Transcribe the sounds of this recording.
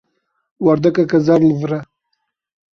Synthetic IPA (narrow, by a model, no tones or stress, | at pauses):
waɾd̪akakazaɾlvɾa